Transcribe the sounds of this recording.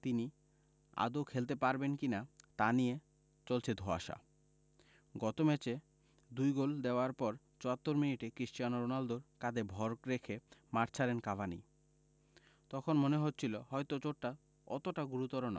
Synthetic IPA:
t̪ini | a̰d̪okʰelt̪epaɾbenkinat̪anie | t͡ɕolt͡ɕʰed̪ʱoa̰ʃa̰ | ɡɔt̪omɛt͡ɕe | d̪ujɡold̪eoaɾpɔɾ | t͡ɕoat̪ːoɾminiʈekɾiʃt͡ɕianoɾonald̪oɾkad̪ebʱɔɾkɾekʰemaɾt͡ɕʰaɾenkabʱanḭ | t̪ɔkʰonmoneɦot̪ːɕʰiloɦɔejt̪ot͡ɕoʈʈa | ɔ̰t̪oʈaɡuɾut̪ɔɾona̰

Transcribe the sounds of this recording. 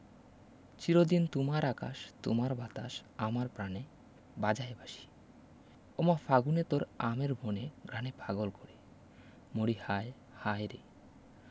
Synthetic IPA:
t͡ɕiɾod̪int̪omaɾakaʃt̪o̰maɾbat̪aʃamaɾpɾane | bad͡ʑaebaʃi̥ | omafaɡunet̪oɾameɾbʱoneɡɾanebʱaɡolkoɾe | moɽihae | hajɾe

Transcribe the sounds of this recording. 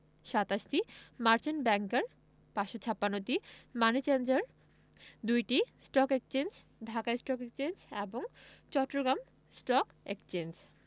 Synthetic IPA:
ʃat̪aʃtimaɾt͡ɕinbɛŋkeɾ | paʃot͡ɕʰapːanːot̪imanit͡ɕend͡ʑaɾ | d̪ujʈisʈɔkek̚t͡ɕend͡ʑ | d̪ʱakaesʈɔkekt͡ɕend͡ʑeboŋt͡ɕɔʈːɾoɡɾam | sʈɔk | ḛkt͡ɕend͡ʑ

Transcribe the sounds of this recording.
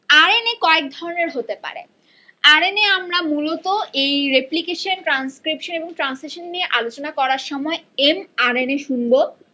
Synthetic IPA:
aɾenekɔek̚d̪ʱɔɾoneɾɦot̪epa̰ɾḛ | aɾeneamɾamulɔt̪oʔejɾeplikeʃonʈɾanskɾipʃoneboŋʈɾansliʃonːieʔalot͡ɕonakɔɾaɾʃɔmɔeemaɾeneʃunbo

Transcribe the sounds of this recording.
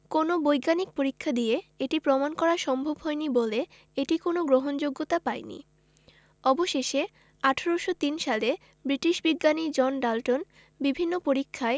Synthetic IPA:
konobojɡanik̚poɾikʰːad̪ieeʈipɾɔmankɔɾaʃɔmbʱobɦɔenibole | eʈikonoɡɾoɦond͡ʑoɡːot̪apaenḭ | ɔboʃeʃe | aʈʰaɾoʃot̪inʃale | bɾiʈiʃbiɡːanid͡ʑɔnɖalʈon | bibʱinːopoɾikʰːae

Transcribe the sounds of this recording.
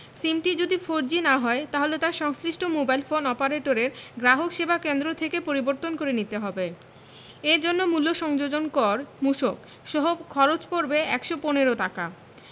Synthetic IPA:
simʈid͡ʑod̪ifoɾd͡ʑinaɦɔet̪aɦolet̪aɾʃɔŋsliʃʈʰomobajlfonɔpaɾeʈoɾeɾɡɾaɦokʃebʱakend̪ɾot̪ʰekepoɾiboɾt̪onkoɾenit̪eɦɔbe | eɾd͡ʑonːomulːoʃɔŋd͡ʑod͡ʑonkɔɾmuʃok | ʃɔɦobkʰɔɾot͡ɕpoɾbeɛkʃoponeɾoʈaka

